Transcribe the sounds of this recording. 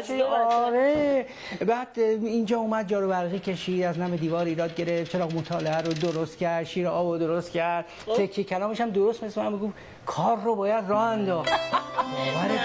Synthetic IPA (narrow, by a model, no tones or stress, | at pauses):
ɒɾe | bæːd̪ind͡ʒɒːumæd̪̚d͡ʒɒːɾobæɾɣiːcʰe̞ʃiːd̪æznæmed̪iːvɒːɾiːɾɒːd̪̚ɟe̞ɾeft͡ʃʰe̞ɾɒːɣmot̪ʰɒːleæɾod̪oɾost̪cæɾd̪ʃiːɾeɒːbod̪oɾost̪cʰæɾd̪̥̚ | fekʰːecʰælɒːmeʃæmd̪oɾost̪meslemænmeɡof | kʰɒːɾːobɒːjæd̪rɒːhænd̪ɒːx | bæɾe